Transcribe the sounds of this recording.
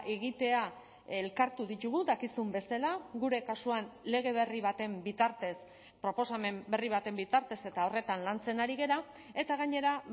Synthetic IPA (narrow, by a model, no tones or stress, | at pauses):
ʔeɣit̪e̞a | elkaɾt̪uðit̪uɣ̞ud̪akisumbe̞salaɣuɾe̞kasuanle̞ɣ̞e̞β̞e̞riβ̞at̪e̞mbit̪aɾt̪e̞s | pɾo̞po̞same̞mbe̞riβ̞at̪e̞mbit̪aɾt̪e̞se̞t̪ao̞re̞t̪anlant͡se̞naɾiɣe̞ɾa | e̞t̪aɣaɲe̞ɾa